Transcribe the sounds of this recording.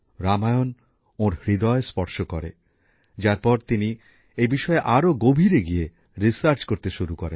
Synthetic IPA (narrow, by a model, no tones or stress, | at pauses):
ɾamajon | õɾhɾid̪ɔespɔɾʃokɔɾḛ | d͡ʑaɾpɔɾt̪ini | ejbiʃɔeʔaɾoɡobʱiɾeɡije | ɾisaɾt͡ɕkoɾt̪eʃuɾukɔɾḛn